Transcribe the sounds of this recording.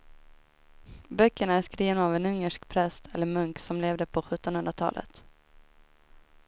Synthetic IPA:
bœkːəɳaæʂkɾiːvənaːvɛnɵŋːəʂkpʰɾɛst̪ʰɛlːəɾmɵŋksɔmleːvd̪əpʰɔɧɵt̪ːɔnhɵnd̪ɾat̪ʰɑ̰ːlʔə̰t̪

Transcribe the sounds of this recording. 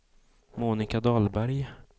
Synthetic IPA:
muːnɪkad̪ɑlbæɾj

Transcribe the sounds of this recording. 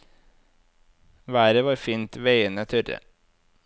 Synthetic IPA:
ʋæːɾəʋɑːɾfiːnt̪ʋeɪənət̪ʰʏɾə̰

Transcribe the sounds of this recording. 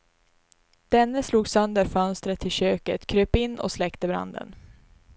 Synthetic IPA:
d̪̥ɛnːəsluːɡsœnd̪əɾfœnst̪ɾət̪ʰːɪlɕøːkət̪kʰɾøːpɪnːɔ̰slɛkt̪əbɾa̰nd̪ə̰n

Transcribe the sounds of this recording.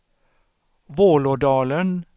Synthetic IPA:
ʋoːlʊɖɑːlən

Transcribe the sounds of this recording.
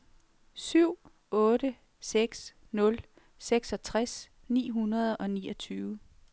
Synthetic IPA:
syʊ̰ | ɔ̽ːɾ̥ə | seɡ̥s | nɔ̽l | seɡ̥sɒ̽t͡sʰʁas | nḭːɦunɐð̞ˠɒ̽niːʔɒt͡sʰyːʊə

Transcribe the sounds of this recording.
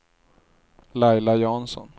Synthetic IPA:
lajlajɑnsɔ̰n

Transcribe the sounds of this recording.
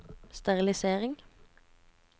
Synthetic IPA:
st̪æʁɪlɪseːʁɪŋ

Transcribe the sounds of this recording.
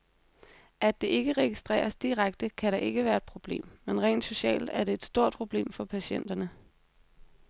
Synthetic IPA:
ʔæd̥e̝ʔe̝ɡ̥əʁɛɡ̥isd̥ʁɛ̰ːɐsd̥iʁaɡ̥̚d̥əkʰæɾɑ̈ʔe̝ɡ̥əʋæːɐe̝d̥pʰʁo̝b̥le̝̰ːmːenʁɛ̰ːnd̥so̝ɕɛ̰ːld̥æɐɾe̝ed̥sd̥o̝ɐ̰d̥̚pʰʁo̝b̥le̝̰ːmfɒ̽pʰæɕen̰d̥ɐnə

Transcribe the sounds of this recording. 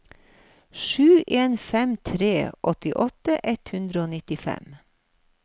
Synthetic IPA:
ʃʉːʔeːnfɛmt̪ʰɾeːʔɔt̪ɪʔɔt̪əʔɛt̪hʉnd̪ɾəoːnɪt̪ɪfɛ̰m

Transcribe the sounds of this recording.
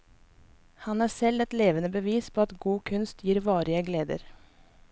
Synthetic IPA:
hɑnæːsɛlɛt̪leːʋənəbəʋiːspʰoːɑt̪ɡuːkʰʉnst̪ʰjiːɾʋɑːɾɪəɡleːd̪ə̰ɾ

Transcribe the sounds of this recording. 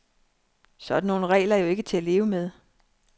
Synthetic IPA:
sɒ̽d̥n̩ːo̝ːn̩əʁɛ̰ːlɐjo̝e̝ɡ̥ət͡sʰe̝æle̝ːʊəmeð̞ˠ

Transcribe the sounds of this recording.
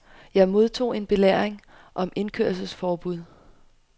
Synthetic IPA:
jɑ̈ɪmo̝ð̞ˠt͡sʰo̝̰ːe̝nb̥e̝leɐ̰eŋ | ʔɒ̽me̝nkʰø̰ɐlsəsfɒːb̥uð̞̰ˠ

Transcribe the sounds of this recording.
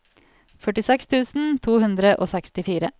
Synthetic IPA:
fœʈɪsɛkst̪ʰʉːsn̩t̪ʰuːhʉnd̪ɾəʔo̰ːsɛkst̪ɪfiːɾə

